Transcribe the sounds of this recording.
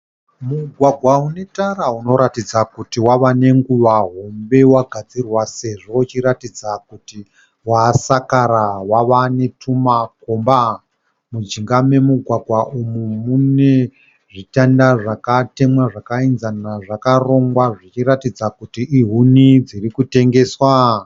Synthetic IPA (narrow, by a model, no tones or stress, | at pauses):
muɡʱwaɡʱwaune̞taɾauno̞ɾatid͡zakutiwaʋane̞ŋɡuʋaɦombe̞waɡʱad͡zirwase̞ʐo̞ut͡ʃiɾatid͡zakuti | wasakaɾawaʋane̞tʰumakomba | mud͡ʒiŋɡame̞muɡʱwaɡʱwaʔumumune | ʐitandaʐakate̞mwaʐakainzanaʐakaro̞ŋɡwaʐit͡ʃiɾatid͡zakutiʔːɦunid͡zirikute̞ŋɡe̞ːswa